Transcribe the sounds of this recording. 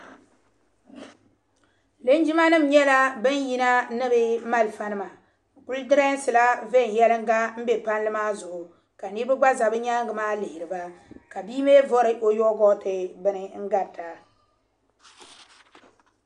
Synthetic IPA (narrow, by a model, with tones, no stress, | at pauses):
lɨ˦n˦d͡ʒi˦ma˦nɨ˦˨mɲɛ˦la˦bɨ˦n˦ji˦na˦nɨ˦bɨ˦ma˦lfa˦nɨ˦ma˨ | ku˦ldɨ˦ɾa˦n˦sɨ˨la˦ve˦˨n˨jɛ˦lɨ˦ŋ˦ɡa˦m̩˦bɛ˨pa˦nlɨ˦maː˦zʊ˨ʔʊ˨ | ka˨ni˦bɨ˦ɡ͡ba˦za˨bɨ˦ɲa˦ŋ˦ɡɨ˨maː˦lɪ˨hɪ˨ɾɨ˨ba˦ka˨biː˦me˦vɔ˦ɾɨ˨˦ʔo˦jɔ˦ɡɔ˦tɨ˨bɨ˦nɨ˦ŋ̩˦ɡa˨ta˨